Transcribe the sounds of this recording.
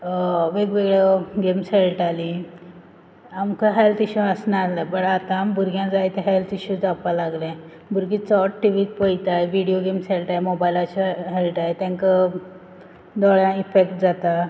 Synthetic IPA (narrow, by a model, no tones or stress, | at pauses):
ʋeɡʋeɡɭəɡemselʈali | amkəɦelt̪iɕuasnaslabəɽat̪ãːmbuɾɡjãd͡zajt̪eɦelt̪iɕud͡zapalaɡlɛ̃ | bʱuɾɡit͡sɔʈʈːiʋiːt̪̚pəjt̪ajʋiɽijoɡemselʈajemobajlat͡ɕəɦelʈaet̪ãŋkə | d̪ɔɭjãifekʈ̚d͡zat̪a